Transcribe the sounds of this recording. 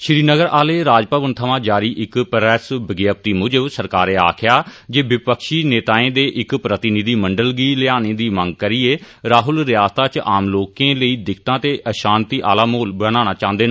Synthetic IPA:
ʃɾiːnəɡəɾaːleːɾaːd͡ʒpəʋənt̪ʰəʋãːd͡ʒaːɾiːʔɪkpəɾɛːsbəɡjaːp̚t̪iːmʊd͡ʒəsəɾkaːɾeːa̰ːkʰɪjaːd͡ʒeːʋɪpəkʃiːneːt̪aːẽːd̪eːʔɪkpɾət̪ɪnɪd̪iːməɳɖəlɡiːlɪaːnẽːd̪iːmə̃ŋɡ̚kəɾiːeː | ɾaːɦʊlɾɪjaːst̪aːt͡ʃʔaːmloːkẽːləiːd̪ɪkʰt̪ãːt̪eːʔəʃaːnt̪iːʔaːlaːmoːlbəñãːñaːt͡ʃãːnd̪eːn

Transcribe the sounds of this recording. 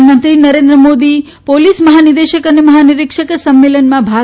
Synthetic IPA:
mənt̪ɾinəɾend̪ɾəmod̪i | polisməɦanid̪eʃəkəneməɦaniɾɪkʂəksəmːelənmãbʱa

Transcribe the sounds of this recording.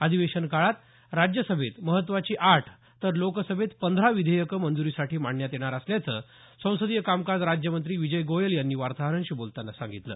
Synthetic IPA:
əd̪ʱiʋeɕənkaɭat̪ | ɾad͡ʑjəsəbʱet̪məɦət̪ːʋat͡ɕiːʔaʈʰ | t̪ːəɾlokəsəbʱet̪pənd̪ʱɾaʋid̪ʱəjəkəmənd͡zuɾiːsaʈʰiːmaɳːjat̪jeɽ̃aɾəsljat͡sə̰ː | sə̃w̃səd̪ijəkamkad͡zɾad͡ʑjəmənt̪ɾiːʋid͡ʑəjɡojəljanːiːʋaɾt̪aɦəɾəɳɕiːbolt̪anːasa̰ŋɡit̪lə̰ː

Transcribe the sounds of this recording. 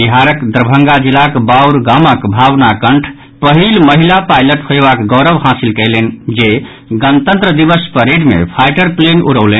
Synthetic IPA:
biɦaɾəkd̪ɾəbʱəŋɡad͡ʒilakbauɾɡaməkbʱaʋnakəɳʈʰ | pəɦilməɦilapajləʈhojbakɡɔʊɾəbɦasilkəjlend͡ʒe | ɡənt̪ə̃nt̪ɾəd̪ibəspəɾeɖmḛpʰajʈəɾplenuɾəwlen

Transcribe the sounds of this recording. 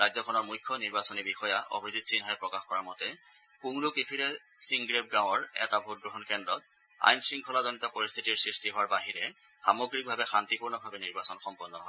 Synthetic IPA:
ɹajzɔkʰɔnɔɹmujkʰːɔniɹbasɔnibixɔjaʔo̰bʱizit̚sinɦajpɹɔkaxkɔɹamɔtɛ | kuŋɹukipʰiɹɛ | siŋɡɹep̚ɡãw̃ɔɹɛ̰tabʱut̚ɡɹuɦɔnkɛndɔt̚ | a̰jnsɹiŋkʰɔlazɔnitɔpoɹist̪ʰitiɹsɹistiɦowaɹbaɦiɹɛ | xamoɡɹik̚bʱabɛxantipuɹnɔbʱabɛniɹbasɔnxɔmpɔnːɔɦɔ

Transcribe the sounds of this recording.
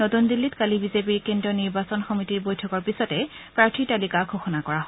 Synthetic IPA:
notundilːitkalibizep̬iɹkendiɔniɹbasɔnxɔmitiɹbojtʰɔkɔɹpisɔtɛpɹaɹtʰitalikaɡʰʱoxɔnakɔɹa

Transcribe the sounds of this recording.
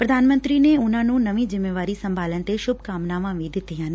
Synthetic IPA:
pɾəd̪ʱaːnmə̃nt̪ɾiːneːʊnãːnũːnəʋĩːd͡ʒɪmːeːʋaːɾiːsəmbʱaːlənt̪eːʃʊbʱkaːmnaːʋãːʋĩːd̪ɪt̪ːijãːn

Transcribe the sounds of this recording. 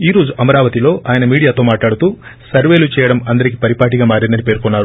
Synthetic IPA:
iːɾo̞ːd͡ʒuʔɐmɐɾaːʋɐt̪ilo̞ːʔaːjɐnɐmiːɽijaːt̪o̞ːmaːʈlaːɽut̪uːsɐɾʋe̞ːlut͡ʃɛːjɐɽɐmɐnd̪ɐɾik̬i̥pɐɾipaːʈiɡaːmaːɾind̪ɐnipe̞ːɾkunːaːɾu

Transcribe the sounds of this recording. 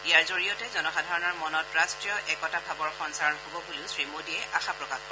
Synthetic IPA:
iaɹzoɹijɔtɛzɔnɔxadʱaɹɔnɔɹmɔnɔtɹastɹijɔʔɛkɔtabʱabɔɹxɔnsaɹɔnɦobɔkuliʊsɹimodiɛʔaxapɹɔkax

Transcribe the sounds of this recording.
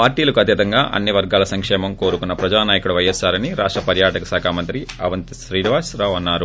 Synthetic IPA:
paːɾʈiːlɐkuɐt̪jɐt̪ɐŋɡaːʔɐ̰nːiʋɐɾɡaːlɐsɐŋkʂɛːmɐmko̞ːɾukunːɐpɾɐd͡ʒaːnaːjɐkuɽɐʋɐjɐsaːɾɐniɾaːʂʈɾɐpɐɾjaːʈɐkɐsaːkʰaːmɐnt̪ɾiɐ̰ʋɐnt̪ʃɾiːniʋaːsɾaːʋɐnːaːɾu

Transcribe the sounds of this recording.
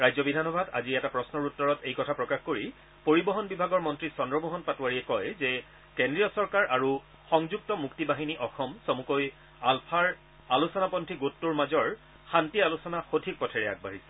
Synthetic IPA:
ɹajzɔbidʱanɔbʱada̰ziɛtapɹɔsnɔɹutːɔɹɔtejkɔtʰapɹɔkaxkoɹi | poɹibɔɦɔnbibʱaɡɔɹmɔntɹisɔndɹɔmuɦɔnpatuwaɹiɛkɔjzɛ | kendɹijɔsɔɹkaɹʔaɹu | xɔŋzuk̚tɔmuktibaɦiniʔɔxɔmsomukoj | alpʰaɹ | alusɔnapɔntʰiɡotːuɹmazɔɹ | xantialusɔnaxotʰik̚pɔtʰɛɹɛa̰ɡ̚baɦisɛ̥

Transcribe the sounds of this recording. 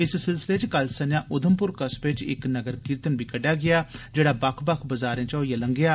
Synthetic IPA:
ɪssɪlsɪleːt͡ʃkəlsənjãːʔʊd̪ʱəmpʊɾkəsbɪt͡ʃɪ̰knəɡəɾkɪɾt̪ənbiːkəɖjaːɡɪjaːd͡ʒeːɽaːbɐkʰbɐkʰbəzaːɾẽːt͡ʃɔːiaːləŋɡɪjaː

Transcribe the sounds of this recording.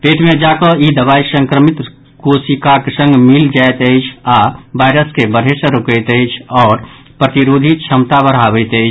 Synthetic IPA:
peʈmed͡ʒakɔid̪əbaisəŋkɾəmit̪ | kosikakesə̃ŋɡmild͡ʒajt̪əjt͡ʃʰabajɾəskebəɾ̤ʱɦesə̃ɾokəjt̪əjt͡ʃʰɔːɾ | pɾət̪iɾod̪ʱit͡ʃʰəmt̪abəɾɦabəɪt̪əɪt͡ʃʰ

